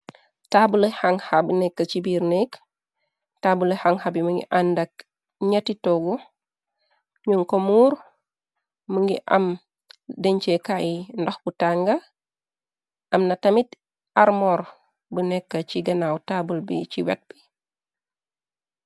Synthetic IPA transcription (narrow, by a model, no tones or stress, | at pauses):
taːbulehaŋhabənɛkːɐt͡ʃibiɾnɛk | tabulehaŋhabiməŋɡḭʔandɐk̚ | ɲatitɔɡɔ | ɲuŋkomuːɾ | məŋɡiʔɐ̰m | dɛɲt͡ʃekaindoxbutaŋɡɐ | ʔɐmnɐtɐmit | aɾmɔɾ | bənɛkːɐt͡ʃiɡɐnawtaːbulbḭt͡ʃiwɛ̰t̚b̥i